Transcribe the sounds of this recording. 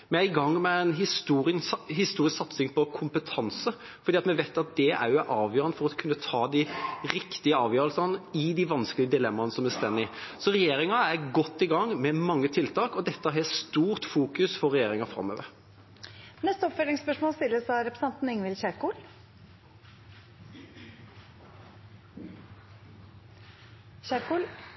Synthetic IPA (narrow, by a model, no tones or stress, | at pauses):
mɛæɾɪɡɑŋːmɛɛnɦɪst̪uːɾɪnɦɪst̪uːɾɪsksɑt̪sɪŋpʰɔkʰʊmpət̪ʰɑnsə | fɔɾd̪iːɑt̪mɛʋeɪt̪ɑt̪̚d̪ɛʔæ̰ɾjʊæʔɑːʋjøːɾənəfɔɾɑkʰʉnːət̪ʰɑːd̪ɪɾɪkt̪ɪəɑːʋjøːɾlsɑnəɪd̪iʋɑnskəlɪɡəd̪ɪlɛmːɑnəsɔmæst̪ɛnːɪsɔɾɛjeːɾɪŋɑæɡɔt̪ːɪɡɑŋːmɛmɑŋːət̪ʰɪlt̪ʰɑːkɔd̪ɛt̪ːæɦɛst̪uːʁt̪fuːkʉsfɔʁːɛjeːɾɪŋɑfɾɑ̰mːøːʋəɾ | nɛst̪əɔpfœlɪŋspœʂmoːlst̪ɪlːəsɑɾɛpɾəsɛnt̪n̩ɪŋʋɪlçæɾkuːl | æɾkuːl